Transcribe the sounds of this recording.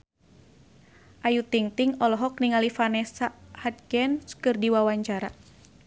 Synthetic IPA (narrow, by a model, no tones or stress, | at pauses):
ʔajut̪iŋt̪iŋɔlɔɦɔk̚niŋalifanɛsaʔhat̪̚ɡɛnskɨrdiwawaɲt͡ʃaɾa